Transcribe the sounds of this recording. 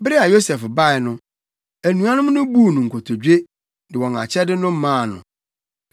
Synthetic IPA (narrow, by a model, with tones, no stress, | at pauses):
bɾɪ˦a˨jo˦sɛ˨fba˦ɪ˨nʊ̃˦ | æ˨nũ˦a˦nʊ̃˦m˦nʊ̃˦bu˦˨nʊ̃˨ŋ̩˨kʰo˨tʰo˨d͡ʑᶣe˦ | dɪ˨wɔ̃˨ŋa̰˨t͡ɕʰɛ˦dɪ˦nʊ̃˦m̩˦mãː˦˨nʊ̰̃˨